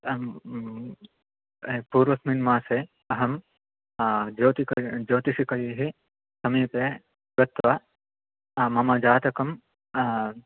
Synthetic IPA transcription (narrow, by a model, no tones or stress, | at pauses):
puːɾʋɐsminmaːseː | ɐɦɐm | d͡ʒoːt̪ikd͡ʒoːt̪iʃikɐjiɦi | sɐmiːpeː | ɡɐt̪ʋɐ | mɐmɐd͡ʒaːt̪ɐkɐm